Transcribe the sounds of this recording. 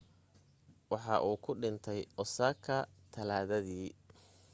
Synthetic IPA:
wɑħɑʔuːkʰʊɖɪnt̪ʰɛjʔɔsaːkʰɐt̪ʰɐlaːðɐðiː

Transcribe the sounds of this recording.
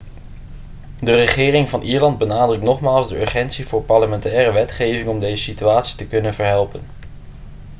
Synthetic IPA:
dərəχɪːrɪŋvɑnʔiːɹlɑnd̚bənaːdrɵk̚tnɔχmaːlˠzdəɵɹχɛntsivʊːɹpɑɹləmɛntɛːrəʋɛtχejvɪŋɔmdejzəsityaːtsi̥təkɵnənvəɹɦɛlˠpən

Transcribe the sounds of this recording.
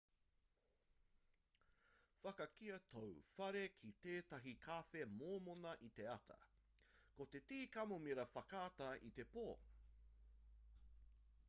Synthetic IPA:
fɐkɐkiɐtʰowfɐɾe̞kʰit̪eːt̪ɐɦikʰafemoːmonɐʔit̪e̞ɐt̪ʰɐ̰ | kot̪e̞tiːkɐmomiɾɐfɐkaːtɐʔit̪e̞poː

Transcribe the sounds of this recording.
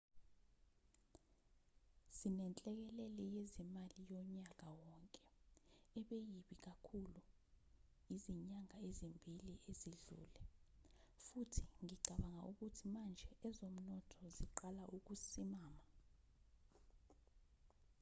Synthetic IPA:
sinɛnt͡ɬʼɛk̬ɛlɛlɛjezimalijɔɲak̬ʼawɔŋkʼɛɛɓejiɓik̬akʰulu | iziɲaŋaezimbʱiliʔeziɮṵːlɛ | futʰi̥ŋiɡ͡ǀʱaɓaŋaʔuk̬utʰimand͡ʒʱɛʔɛzom̩nɔtʰɔziǃalaʔuk̬usimaːma

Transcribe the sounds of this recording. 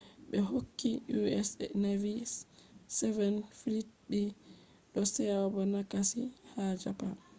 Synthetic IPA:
ɓɛɦokːiʔuɛsnavisːɛvɛnfilit̚ɓi | ɗɔsɛabɔnakasihad͡ʒapa

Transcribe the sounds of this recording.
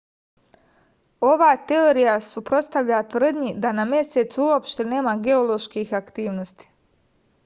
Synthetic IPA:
o̞ʋaːt̪e̞oɾijasupɾo̞t̪st̪aʋʎat̪ʋr̩d̪ɲid̪anamje̞set̪suuopʃt̪e̞ne̞ːmaɡe̞o̞lo̞ʃkixakt̪iːʋno̞st̪i̥

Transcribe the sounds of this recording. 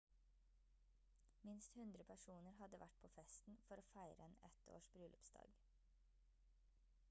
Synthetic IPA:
mɪnst̪hʉnd̪ɾəpʰæʃuːnəɾhɑd̪əʋʔæʈ̚pʰoːfɛst̪n̩fɔɾoːfæɪɾəɛnɛ̰t̪o̰ːʃbɾʉːlʔʉpsd̪ɑ̰ːɡ

